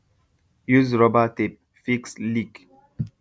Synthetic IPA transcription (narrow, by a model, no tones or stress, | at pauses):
juzɹɔbatep̚ | fikslik